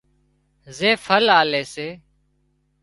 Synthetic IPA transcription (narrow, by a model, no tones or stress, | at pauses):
zeːfʰəlaːleːseː